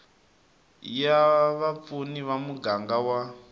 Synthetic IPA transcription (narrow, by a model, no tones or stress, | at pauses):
jaβap̪funiʋamuɡaŋɡawa